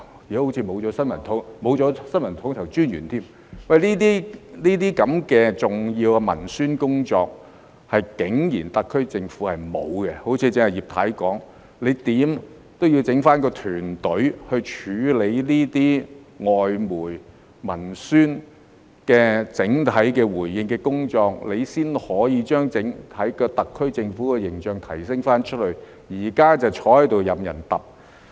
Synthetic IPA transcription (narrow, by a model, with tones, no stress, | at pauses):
i˨˥ho˨˥wt͡sʰiː˨˧mo˨˧wt͡sɔː˨˧˥sɐ˥nmɐ˨˩nt̪ʰʊ˨˥ŋmo˨˧wt͡sɔː˨˥sɐ˥nmɐ˨˩nt̪ʰʊ˨˥ŋt̪ʰɐ˨˩wt͡ʃyː˥njyː˨˩nt̪ʰiː˥m | wɐ˨jliː˥t̪iː˥niː˥t̪iː˥kɐ˨˧˥mkɛː˧t͡sʊ˨ŋjiː˧wɐ˧mɐ̰˨˩nsyː˥nkʊ˥ŋt͡sɔː˧k̚ | hɐ˨jkɪ˨˥ŋjḭː˨˩nt̪ɐ˨˧kʰːɵ˥ɥt͡sɪ˧ŋfuː˨˥hɐ˨jmo˨˧wkɛ˧ho˨˥wt͡sʰiː˧˥t͡sɪ˧˥ŋhɐ˨˩jiː˨p̚t̪ʰa̰ː˨˥jkɔː˨˥ŋ | le˨˧jt̪iː˨˥m | t̪o˥wji˧wt͡sɪ˨˥ŋfaː˥nkɔː˧t̪ʰyː˨˩nt̪ɵ˨˥ɥhɵ˧ɥt͡ʃʰyː˨˥le˨˧jliː˥t̪iː˥ŋɔː˨jmuː˨˩j | mɐ˨˩nsyː˥n | kɛː˧t͡sɪ˨˥ŋt̪ʰɐ˨˥jkɛː˧wuː˨˩jːɪ˧ŋkɛː˧kʊ˥ŋt͡ʃɔː˧k̚le˨˧jsiː˥nhɔː˨˥jiː˧t͡ʃœː˥ŋt͡sɪ˨˥ŋt̪ʰɐ˨˥jkɔː˧t̪ɐ˨kʰːɵ˥ɥt͡sɪ˧ŋfuː˨˥kɛː˧jɪ˨˩ŋt͡ʃœː˨˧ŋt̪ʰɐ˨˩jsɪ˥ŋfaː˥nt͡ʃʰɵ˥t̚hɵ˨˧ɥ | jiː˨˩kaː˥t͡sɐ˨wt͡ʃʰɔː˨˥hɐ˥t̪o˨wjɐ˨mjɐ̰˨˩nt̪ɐ˨p̚